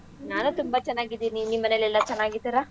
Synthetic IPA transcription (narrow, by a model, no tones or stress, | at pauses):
naːnut̪umbɐt͡ʃɛnːaːɡid̪iːninimːɐnelɛlːɐt͡ʃɛnːaːɡit̪ːiɾa